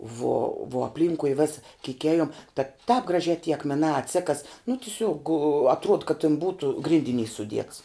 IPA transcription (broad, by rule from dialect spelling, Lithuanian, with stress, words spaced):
ʋuɔ ʋuɔ ɐpʲˈlʲiːŋkʊɪ ˈʋʲæːsɐ kʲiːk ˈæːjʊm tɐ tɑːp ɡrɐˈʒʲæː tʲiː ɐkmʲɛˈnɑː ɐtʲˈsʲæːkɐs nʊ tʲɪˈsʲuɔk ɐtˈruɔt kɐt tʲɪn ˈbuːtʊ ˈɡrʲɪnʲdʲɪˌnʲiːs sʊˈdʲiɛts